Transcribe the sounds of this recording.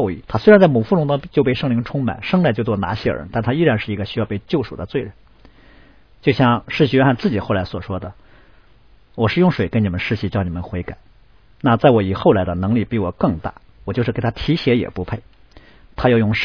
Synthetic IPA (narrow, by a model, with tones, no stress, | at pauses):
ḭ˥˩t̪ʰa˥swe˥ɻnt͡sa˥˩mu˨˩fu˥˩ʈ͡ʂʊ˥ŋt̪ʊ˥ŋ˥t͡ɕjo˥˧pe˥˧ɪʂɤ˥˩ŋli˧˥ŋʈ͡ʂʰʊ˥ŋma̰˨˩˦nʂɤ˥ŋla˥˧˩t͡ɕo˥˧ʊt͡swɔ˥˩na̰˧˥ɕjɛ˥˩ə̰˧˥t̪a˥˩nt̪ʰa˥i˥ɻa˧˥nʂɻ̩˥˩i˧˥ɡə˧ɕy˥jɑ˥˧ʊpe˥˧ɪt͡ɕjo˥˧ʊʂu˨˩d̪ə˦t͡swe˥ɪɻə˧˥n | t͡ɕjo˥˧ʊɕjɑ˥˧ŋʂɻ̩˥˩ɕi˧˩ɥɛ˥nxa˥˧nt͡sɹ̩˥˩t͡ɕi˨˩xo˥˩ʊla˧˥ɪswɔ˨˩ʂwɔ˥d̪ə˨ | wɔ˨˩ʂɻ̩˥˧jʊ˥˩ŋʂwe˨˩ɪkə˥ni˨˩mə˦nʂɻ̩˥ɕi˧˥˩t͡ɕjɑ˥˩ʊni˨˩mə˦nxwe˧˥ɪka˨˩˦ɪ | na˥˧t͡sa˥˩ɪwɔ˧˩i˨˩xo˥˩ʊla˧˥ɪd̪ə˧nɤ˧˥ŋli˨˩pi˧˥˩wɔ˨˩kɤ˥˧ŋt̪a̰˥˩ | wt͡ɕjʂɻ̩˥˩kt̪ʰa˥t̪ʰi˧˥ɕjɛ˧˥jɛ̰˨˩pu˧˥pʰe˥˩ɪ | t̪ʰa˥jʊjʊ˥˧ŋʂ